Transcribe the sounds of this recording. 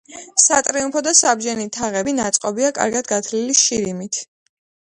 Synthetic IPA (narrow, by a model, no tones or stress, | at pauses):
sat̪ʼɾiumpʰɔd̪asabd͡ʒɛnit̪ʰaʁɛbinat̪sʼqʼɔbiakʼa̰ɾɡad̪ɡat̪ʰliliʃiɾimit̪ʰ